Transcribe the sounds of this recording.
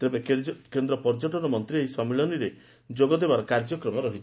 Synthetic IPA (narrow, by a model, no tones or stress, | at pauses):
t̪ebekend̪ɾɔpɔɾd͡ʒɔʈɔnɔmɔnt̪ɾieɦisɔmiɭɔniɾe | d͡ʒoɡɔd̪ebaɾɔkaɾd͡ʒɔkɾɔmɔɾɔɦit͡ʃʰ